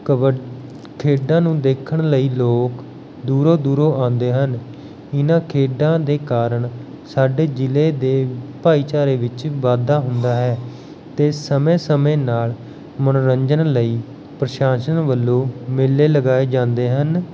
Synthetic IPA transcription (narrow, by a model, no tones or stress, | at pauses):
kʰeːɖãːnũːd̪eːkʰəɳləiːloːk | d̪uːɾoːd̪uːɾoːʔãːnd̪eːɦən | ɪnãːkʰeːɖãːd̪eːkaːɾəɳ | saːɖeːd͡ʒɪleːd̪eːpaːiːt͡ʃaːɾeːʋɪt͡ʃʋaːd̪aːɦʊnd̪aːɦɛː | t̪eːsəmẽːsəmẽːnaːl | mənːɾəɲd͡ʒənləiː | pɾəʃaːʃənʋəlːõːmɪlːeːləɡaːeːd͡ʒãːnd̪eːɦən